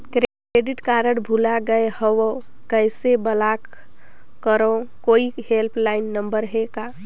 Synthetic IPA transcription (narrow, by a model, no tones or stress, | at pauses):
kɾ | ɾeɖɪʈkaɾəɽbʱulaɡəehəwo | kəsebəlak | kəɾõkoːihelpʰlaɪnːəmbəɾɦeka